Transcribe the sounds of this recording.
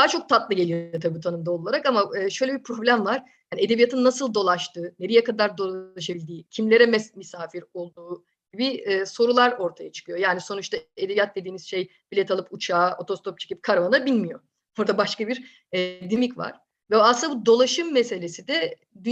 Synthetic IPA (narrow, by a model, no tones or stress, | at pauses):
d̪aɦt͡ʃʰo̞k̚t̪ʰat̪lˠɯɟe̞lʲijoot̪ʰabiːt̪ʰanɯmd̪aolˠaɾakamaɯːʃø̞jlʲebipʰɾo̞blʲæmvaɾ̥ | janied̪e̞bijat̪ʰɯnːasɯlˠd̪o̞lˠaʃt̪ɯːneɾijɛkad̪aɾd̪o̞lˠaʃabilʲd̪iːcʰimlʲe̞ɾɛmɛsmisaːfiɾo̞lˠd̪uː | ɟibiːso̞ɾulˠaɾo̞ɾt̪ʰajat͡ʃʰɯ̥kʰɯjo̞jaːniso̞nut͡ʃt̪ʰaed̪ebijat̪̚d̪e̞d̪iːmizʃej | b̥ilʲɛt̪ʰalˠɯput͡ʃʰaːo̞t̪ʰo̞st̪ʰop̚t͡ʃʰecip̚kʰaɾvanabilʲmijo̞ | oɾd̪abaʃkabiɾ | ɛd̪imicva̰ɾ̥ | vɛaslɯnd̪abud̪o̞lˠaʃɯmːese̞lʲesid̪ɛ | d̪y